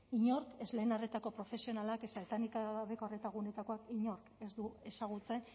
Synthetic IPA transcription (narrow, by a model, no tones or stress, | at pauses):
iɲo̞ɾke̞zle̞ːnaret̪ako̞pɾo̞fe̞sio̞nalakesaβet̪anikaβe̞koaret̪aɣune̞t̪ako̞akiɲo̞ɾke̞zd̪ue̞saɣ̞ut͡se̞n